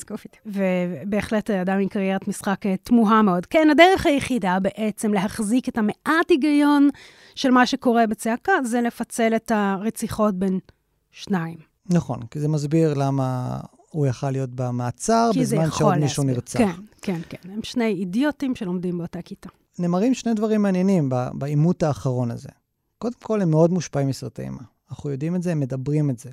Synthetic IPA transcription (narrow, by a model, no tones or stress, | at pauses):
kufvebe̞ːχle̞taadamimkaʁjeʁatmisχaketmuɦameo̞dkenadeʁeχhajeχidabeʔet͡se̞mle̞ɦaχziketame̞ʔatiɡajo̞n | ʃe̞lmaʃeko̞ʁe̞bet͡seakazelefat͡se̞lethaʁet͡siχo̞t̚be̞n | ʃnaim | naχo̞̰nkizemazbiʁlama̰ | ujaχalːijo̞t̚bamaːt͡saʁbezmanʃeomiʃuniʁt͡saekenkenemʃne̞jidjotimʃelomdimbeotakita | neːmaʁimʃnejdvaʁimːeanjenimba̰baimutaːχaʁo̞naze̞̰ | ko̞demko̞lemːeo̞dmuʃpaimisʁatḛḭma | naχujo̞dimezeemːedabʁimeze